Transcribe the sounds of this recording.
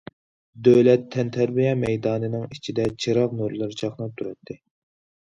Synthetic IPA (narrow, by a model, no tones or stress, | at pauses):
d̪øwlɛt̪ʰːɛnt̪ʰæɾbijɛmɛjd̪ɑːnɨnɨŋit͡ʃʰid̪ɛt͡ʃʰiɾɑʁnuɾlˠɨɾɨt͡ʃʰɑχnˠɑp̚t̪ʰuɾɑt̪ʰːɪ